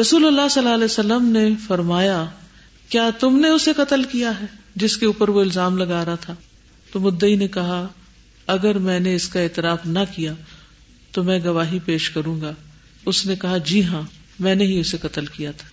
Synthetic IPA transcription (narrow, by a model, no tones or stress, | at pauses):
ɾɐsuːlɐlːaːsɐlːaːlɛsɐlːəmnefɐɾmaːja | kjaːt̪ʊmneʊseqɐt̪əlkijaɦɛː | d͡ʒɪskeuːpəɾʋoɪlzaːmlɐɡaːɾaat̪ʰaː | t̪omʊd̪ːəinekɐɦa | ɐɡəɾmɛ̃ːneɪskaɛːt̪ɪɾaːfnɐkija | t̪omɛ̃ːɡɐʋaːɦipeːʃkɐɾũːŋɡa | ʊsnekɐɦad͡ʒiːɦãː | mɛ̃ːneɦiʊseqɐt̪əlkijat̪ʰḁː